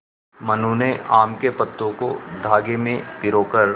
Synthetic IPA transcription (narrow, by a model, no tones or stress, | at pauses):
mɐnuneaːmkepɐt̪ːõkod̪ʱaːɡemẽpɪɾoːkəɾ